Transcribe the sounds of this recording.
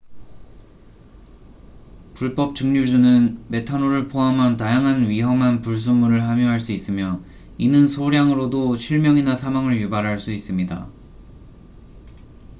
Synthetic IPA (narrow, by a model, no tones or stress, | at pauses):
puɭp͈ʌp̚t͡ɕɯŋɲud͡ʑunɯnme̞tʰanoɾɯɭpʰoamʌntajaŋɦanɥiɦʌmɦanpuɭs̬umːuɾɯɭɦamjuɦaɭs͈uis͈ɯmjʌ | inɯnsʰoɾjaŋɯɾodoɕʰiɭmjʌŋinasʰamwaŋɯɭjubaɾɦaɭs͈uis͈ɯmɲida̰